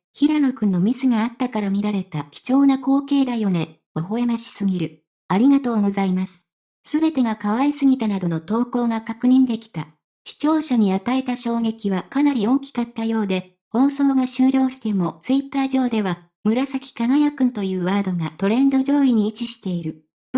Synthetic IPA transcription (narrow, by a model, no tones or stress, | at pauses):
çiɾanokɯ̟̃nːo̞mʲisɨɡaat̪ːakaɾamʲiɾaɾe̞t̪akʲi̥t͡ɕo̞ːnako̞ːke̞ːd̪ajo̞ne̞ | oɦo̞e̞maɕi̥sɨɡʲiɾɯ̟ | aɾʲiɡat̪o̞ːɡo̞zaimasɨ̥ | sɨbe̞t̪e̞ɡakaβaisɨɡʲit̪anad̪o̞no̞t̪o̞ːko̞ːɡakakɯ̟ɲ̟ĩnd̪e̞kʲi̥t̪a | ɕi̥t͡ɕo̞ːɕaɲ̟iat̪ae̞t̪aɕo̞ːɡe̞kʲiβakanaɾʲio̞ŋkʲi̥kat̪ːajo̞ːd̪e̞ | ho̞ːso̞ːɡaɕɨːɾʲo̞ːɕi̥t̪e̞mo̞t͡sɨit̪ːaːʑo̞ːd̪e̞βa | mɯ̟ɾasakʲi̥kaɡajakɯ̟̃nt̪o̞jɯ̟ːβaːd̪o̞ɡat̪o̞ɾẽ̞nd̪o̞ʑo̞ːiɲ̟iːt͡ɕiɕi̥t̪e̞iɾɯ̟